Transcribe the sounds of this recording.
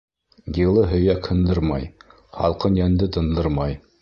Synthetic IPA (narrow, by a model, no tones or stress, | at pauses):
jɤ̆lˠɤɦɵ̆jækhɤ̆nd̪ɤɾmɑ̰j | χɑ̰lˠqɤnjænd̪ɘt̪ɤ̆nd̪ɤɾmɑj